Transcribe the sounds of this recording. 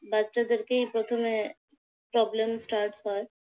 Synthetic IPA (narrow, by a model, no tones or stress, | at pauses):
bad͡ʒt͡ʃad̪ɪɾkeɦipɾɔt̪ʰome | pɾɔːbləmsʈaːɾʈspaɾ